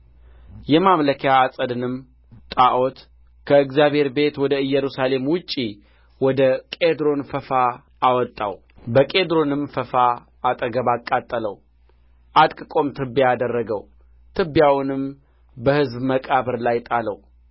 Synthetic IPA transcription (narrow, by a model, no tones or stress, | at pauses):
jɛmamləkʰjaːsʼəd̪ɨnɨm | t̪ʼaʔo̞t̪ | kʰəɨɡzjaβhe̞ɾbe̞t̪wɔd̪əɨjːɛɾusale̞mwʊt͡ʃʼːi | wɔd̪əkʼed̪ɾo̞nfəfa | awɔt̪ʼːa̰w | bəkʼe̞d̪ɾo̞nɨmfəfaː | t̪ʼəɡəβakʼːat̪ʼːələw | ʔad̪kʼɨkʼo̞mt̪ʰɨbːjad̪ərːəɡəw | t̪ʰɨbːjawnɨm | bəhɨzbməkʼaβəɾlajt̪ʼaləw